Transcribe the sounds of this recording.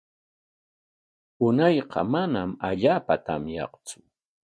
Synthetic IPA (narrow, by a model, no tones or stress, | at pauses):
ʊnɑjqɑ̰manamaʎaːpat̪ʰa̰mjɑ̰qt͡sʊ̥